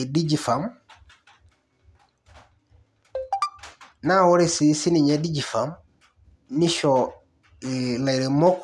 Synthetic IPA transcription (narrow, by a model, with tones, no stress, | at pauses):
di˦d͡ʒi˨fa˨˦m | na˦wo˦ɾi˨si˨˦si˦ni˨ɲe˦di˦d͡ʒi˨fa˨m | ni˦ʃo˨ | i˨la˨jɾe˨mo˦k